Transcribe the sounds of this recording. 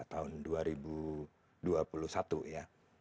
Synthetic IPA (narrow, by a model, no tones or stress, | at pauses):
t̪aʊnduaɾibu | duapulusat̪uja